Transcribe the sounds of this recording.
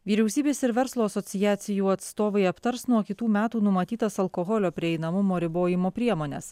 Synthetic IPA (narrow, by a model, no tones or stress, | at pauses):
ʋʲiːɾʲɛʊsʲiːbʲeːsɪɾʋʲɛɾslˠuːɐsɔt̪sʲɪjæːt̪sʲɪjuːɐt̪st̪oːʋɐɪɐpt̪ɐɾsnuɔkʲɪt̪uːmʲæːt̪uːnʊmɐt̪ʲiːt̪ɐsɐlˠkoɣɔlʲoːpʲɾʲɪɛɪnɐmʊmoːɾʲɪboːjɪmoːpʲɾʲiɛmoːnʲḛs